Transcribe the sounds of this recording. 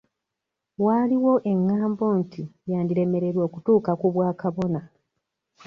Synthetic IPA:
waːliwo̞ʔe̞ŋːaːmbo̞ːntijaːndiɾe̞me̞ɾe̞ɾwo̞ːkutuːkakuβwaːkaβo̞na

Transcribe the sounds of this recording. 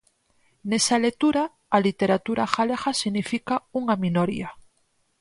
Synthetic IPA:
nesalek̚t̪uɾaː | lit̪e̞ɾat̪uɾaxalexasiɣnifikauŋamĩnoɾia

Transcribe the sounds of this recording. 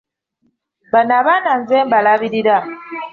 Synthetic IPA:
banaβananzɛmbalaβiɾiɾa

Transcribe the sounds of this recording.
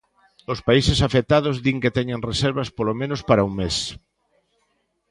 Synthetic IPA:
ospaisɪsafet̪aðʊzðiŋket̪ɛɲeŋresɛɾβɐspolomẽnospaɾauŋmes

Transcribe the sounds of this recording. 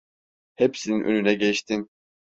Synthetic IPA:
hepsininʔønynɛɟɛʃt̪ʰin

